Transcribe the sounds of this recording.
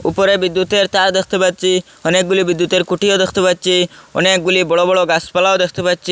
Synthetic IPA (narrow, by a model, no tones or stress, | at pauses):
upɔɾebid̪ːut̪eɾt̪aɾd̪ekʰt̪epaɾ̚t͡ʃʰi | ɔnek̚ɡulibid̪ːut̪eɾkuʈiod̪ekʰt̪epaɾ̚t͡ʃʰiɔ̰nek̚ɡulibɔɽobɔɽɭoɡaspalaod̪ekʰt̪epaɾt͡ʃʰi